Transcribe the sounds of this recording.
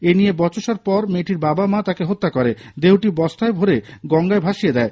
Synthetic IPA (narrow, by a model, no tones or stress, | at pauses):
enijebɔt͡ɕoʃaɾpɔɾmeʈiɾbabamat̪akeɦot̪ːakoɾed̪ewʈibɔst̪ʰaebʱoɾeɡɔŋɡaebʱaʃijed̪ɛe